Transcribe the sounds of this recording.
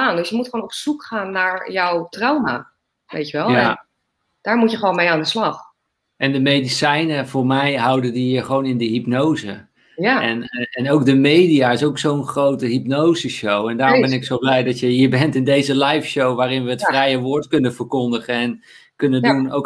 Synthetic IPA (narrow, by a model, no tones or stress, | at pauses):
aːndøsjəmutχʋoːnɔpsukχaːnːaːɹjɔwtrawmaː | ʋḛjtəʋɛlˠa | d̥aːɹmutjəχʋonmejaːndəslɑχ | ʔɛndəmejdisɛjnəv̥ʊːɹmɛjɦɑwdədiɦəɹχəʋownɪndəɦipnowzə | jaɛnɛnowkdəmejdijaːɪsowksownχrowtəɦipnowzəʃowɛndaːrbɛnɪksowblɛjdɑtjəɦiːɹbɛntɪndejzəlɛjfʃowʋaːɾɪnʋəətfrɛjəʋʊːɹtkɵnəvəɹkɔndəχənɛn | kɵnənunowk